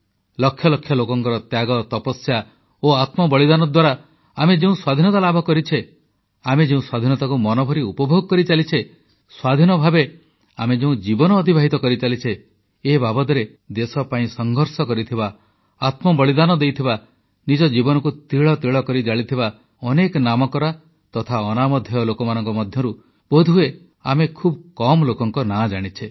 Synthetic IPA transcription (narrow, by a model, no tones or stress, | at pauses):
lɔkʰːjɔlɔkʰjɔlokɔŋkɔɾɔt̪jaɡɔt̪ɔpɔsja | oat̪mɔbɔɭid̪anɔd̪waɾa | amed͡ʒeũswad̪ʱinɔt̪alabʱɔkɔɾit͡ʃʰe | amed͡ʒeũswad̪ʱinɔt̪akumɔnobʱɔɾiupɔbʱoɡɔkɔɾit͡ʃalit͡ʃʰe | swad̪ʱinɔbʱabe | a̰med͡ʒeũd͡ʒibɔnɔːd̪ʱibʱaɦit̪ɔkɔɾit͡ʃalit͡ʃʰeː | babɔd̪ɔɾe | d̪esɔpaĩsɔŋɡʱɔɾsɔkɔɾit̪ʰiba | at̪mɔbɔɭid̪anɔd̪ejt̪ʰiba | nid͡ʒɔd͡ʒibɔnɔkut̪ɾiɭɔt̪iɭɔkɔɾid͡ʒaɭit̪ʰiba | ɔnekɔnamɔkɔɾa | t̪ɔt̪ʰaɔnamɔd̪ʱjɔlokɔmanɔŋkɔmɔd̪ʱjɔɾu | b̥od̪ʱue | a̰mekʰubkɔmɔlokɔŋkɔnad͡ʒaɽ̃it͡ʃʰe